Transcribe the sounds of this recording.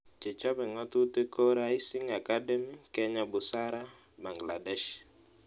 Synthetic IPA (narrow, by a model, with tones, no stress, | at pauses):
t͡ʃɛ˨t͡ʃɔ˦bɛ˨ŋɔ˦tu˦te˦ko˦ɾa˦i˦si˦ŋa˨ka˦dɛ˦mi˦kɛ˦ɲa˨bʊ˨sa˦ɾa˦ | ba˨ŋɡla˨dɛ˦ʃ